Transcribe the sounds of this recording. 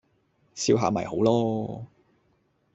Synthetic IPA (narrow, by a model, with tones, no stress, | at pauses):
siː˧wɦaː˧mɐ̰˨jho˨˥wlɔː˥